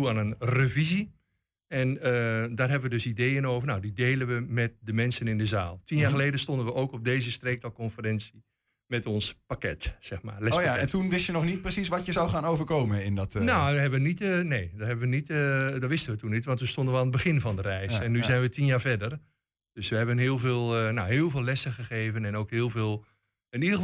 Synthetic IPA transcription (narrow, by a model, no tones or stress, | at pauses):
uanənrəvizi | ɛnədarɦɛbəʋədøsideːənoːvərnadideːlənʋəmɛt̚dəmɛnsənɪndəzaːlˠtʰinjaːxəleːdənstondənʋəʔoːkɔp̚deːzəstreːk̚talˠkɔnfərɛnsi | mɛtɔnspakɛtsɛxma̰ːlɛsaɛntunʋɪsjənɔxnit̚prəsisʋɔtjəzawχaːnowvərkoːmənɪndɔtnohɛbəʋənitneːdɔthɛbənʋənitːdɔʋɪstənʋətunitʋɔntunstõndənʋəaːnəd̚bəxɪnvɔndərɛjssɛnːyzɛjnʋətinjaːɹvɛdər | d̥øsʋəɦɛbənɦɪːlˠveːlˠnoɦɪːəlˠvɪːlɛsəχəχeːvənɛnoːkhɪːəlˠveːlˠ | ənidəə